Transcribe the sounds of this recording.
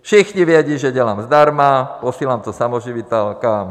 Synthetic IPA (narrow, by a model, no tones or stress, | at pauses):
fʃixɲiʋjɛɟiʒɛɟɛlamzd̪aɾmapɔsilamt̪ɔsamɔʒiʋit̪ɛlka